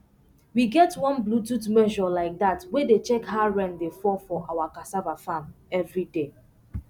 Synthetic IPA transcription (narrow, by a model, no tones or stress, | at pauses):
wiɡɛtwɔ̃nblututmɛʒɔlaɪk̚datwedet͡ʃɛkhaɹɛ̃ndefɔfɔʔawakasavafãm | ɛvɹide